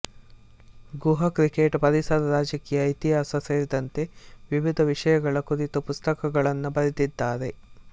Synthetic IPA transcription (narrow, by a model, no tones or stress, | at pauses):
ɡuɦɐkɾikeːʈpɐɾisɐd̪ɐɾaːd͡ʒɐkiːjɐit̪iɦaːsɐseːɾid̪ɐnt̪e̞ʋiʋid̪ʱɐʋiʂɐjɐɡɐɭɐkuɾit̪upust̪ɐkɐɡɐɭɐnːubɐɾid̪id̪ːaːɾe̞